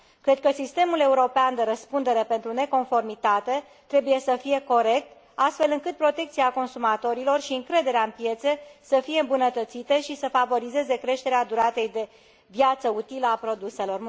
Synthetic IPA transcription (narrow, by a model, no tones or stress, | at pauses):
kɾe̞d̪̚kəsist̪e̞mule̞uɾo̞peand̪e̞ɾəspund̪e̞ɾe̞pe̞nt̪ɾune̞ko̞nfo̞rmit̪at̪e̞ | t̪ɾe̞buje̞səfije̞ko̞ɾe̞k̚t̪ | ast̪fe̞lɨŋkɨt̪̚pɾo̞t̪e̞k̚t̪siako̞nsumat̪o̞ɾilo̞rʃiɨŋkɾe̞d̪e̞ɾeaɨnpje̞t̪se̞səfije̞ɨmbunət̪ət̪sit̪eʃisəfavo̞ɾize̞ze̞kɾe̞ʃt̪e̞ɾead̪uɾat̪ejd̪e̞ | vjat̪səut̪iləapɾo̞d̪use̞lo̞r